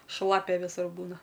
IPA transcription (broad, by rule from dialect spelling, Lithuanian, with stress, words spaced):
ˈʃlˠɑːpʲɛ ˈʋʲɪsʊr ˈbuːnɐ